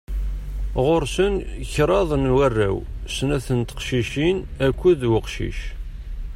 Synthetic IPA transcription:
ʁoɾsənçɾˤɑðˤnwærːæ̰wsnæθənt̪ə̥qʃiʃinækʷːæðwəqʃḭʃ

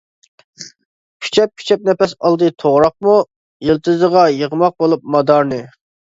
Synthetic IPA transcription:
pʲʰi̥t͡ʃʰɛp̚kʲʰi̥t͡ʃʰɛp̚nɛpɛsɑlˠd̪ɨt̪ʰoʁɾɑq̚mu | jilˠt̪ʰɨzəʁɑjəʁəmɑq̚bolˠup̚mɑd̪ɑɾnɨ

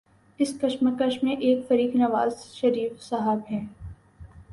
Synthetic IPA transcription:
ɪskɐʃməkəʃmːẽʔeːkfɐɾiːknɐʋaːzʃɐɾiːfsaɦəbɦɛ̃ː

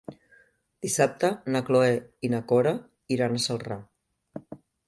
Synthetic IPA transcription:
d̪̥isap̚t̪ənəkloeinəkoɾə | iɾanəsəlˠra

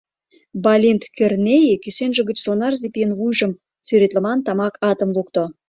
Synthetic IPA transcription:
bɑlʲint̪kørnʲejikysenʒə̆ɡə̆t͡ɕsonɑrzipʲijənvujʒə̆m | t͡syɾet̪lə̆mɑnt̪ɑmɑkʰɑt̪ə̆mlˠukt̪o

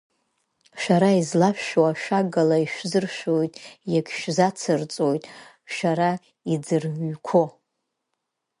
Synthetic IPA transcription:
ʃʷᶣaɾaizlaʃᶣʃwaʃaɡalaiʃʷᶣzɨrʃʷᶣojtʼjakʰʲʃᶣzat͡sʰɨrt͡sʼojtʼ | ʃʷaɾa | id͡zɨrɥkʷʰo

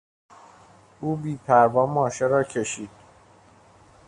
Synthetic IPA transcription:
uːbiːpʰæɾvɒːmɒːʃeɾɒːcʰe̞ʃiːd̪̥̚

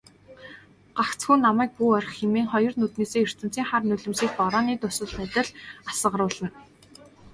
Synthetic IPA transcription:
ɢ̥akt͡sxuːnːamæːk̚puːɔr̆ʲχxemeːŋχɔjɞ̆rnut̪neːseːjɵr̥t̪ɘ̆n̥t͡siːŋχarnɵɮɘ̆msiːk̚pɔɾɔːniːt̪ʊsɵ̆ɮæt̪ɪ̆ɮasə̆ʁə̆ɾʊːɮə̆n

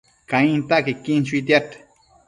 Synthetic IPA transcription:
kaĩnt̪akikint͡ʃuit̪̬jat̪

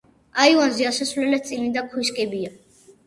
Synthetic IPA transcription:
aivanziasasvlɛlɛt̪̚sʼilid̪akʰwiskʼɛbia

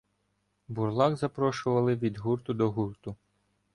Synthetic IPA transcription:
burlˠɑɡzɐpɾɔʃʊʋɐlˠɪʋʲid̪ɦurt̪ʊd̪ɔɦurt̪ʊ

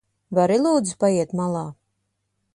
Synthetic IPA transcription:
vaɾilˠuːd̪zpajiɛt̪malˠɑː

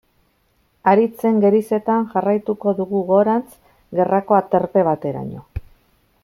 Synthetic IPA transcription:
aɾit͡se̞ŋɡe̞ɾise̞t̪anʝarajt̪uko̞ðuɣuɣo̞ɾant͡s | ɡe̞rako̞at̪e̞ɾpe̞β̞at̪e̞ɾa̰ɲo̞̰

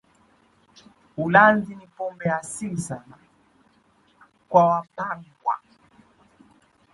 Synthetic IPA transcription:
ulanzinipɔmbɛasilisana | kwawapaŋɡwa̰

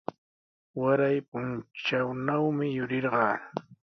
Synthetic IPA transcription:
waɾajpʊnt͡ʃawnawmɪjʊɾɪɾɢɑː

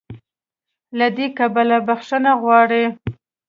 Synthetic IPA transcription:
lad̪ekabalabaxʂənaɣwɑɽi

